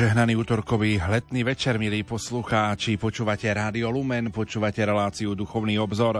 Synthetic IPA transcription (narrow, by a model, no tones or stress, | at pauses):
ʒɛɦnaniːuːt̪ɔɾkɔʋiɦlɛd̪niːʋɛt͡ʃɛɾmiliːpɔsluxaːt͡ʃipɔt͡ʃuːʋacɛɾaːd̪iɔlumɛnpɔt͡ʃuːʋacɛɾɛlaːt͡siud̪uxɔʊniːɔbzɔɾ